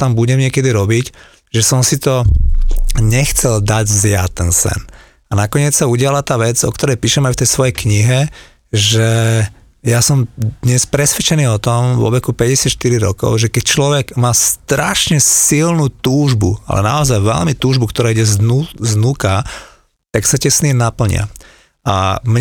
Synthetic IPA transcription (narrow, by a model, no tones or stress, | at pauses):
t̪ambuɟɛmɲɪɛkɛd̪iɾɔbic | ʒɛsɔmsit̪ɔ | ɲɛxt͡sɛld̪aɟzja̰t̪ːɛnsɛ̰n | anakɔɲɪɛt͡ssauɟɪalat̪aːʋɛd͡zɔ̰kt̪ɔɾɛjpiːʃɛmɛajft̪ɛjsʋɔjɛjkɲiɦɛ | ʒɛ | jasɔmd̪ɲɛspɾɛsʋɛt͡ʃɛniːɔt̪ɔmʋɔ̰ʋɛkupɛɟɛsɪat̪ʃt̪iɾiɾɔkɔ̰ʊʒɛkɛc̚t͡ʃlɔʋɛɡ̥maːst̪ɾaʃɲɛsilnut̪uːʒbṵa̰lɛ̰na̰ɔzajʋɛ̰lmit̪uːʒbukt̪ɔɾaːiɟɛzuznuka | t̪aksacɛsnimnapl̩ɲɪ̰a̰ | a̰mɲ